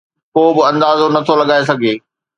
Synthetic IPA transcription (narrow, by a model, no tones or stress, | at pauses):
koːbɪɐ̃nd̪aːzonɐt̪ʰolɐɠaːes̬ɐɡʱeː